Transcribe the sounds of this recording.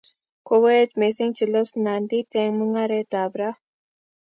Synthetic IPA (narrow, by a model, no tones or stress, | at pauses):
koweet͡ʃmesiŋt͡ʃilosnand̪it̪eŋməŋaɾet̪aːbɾa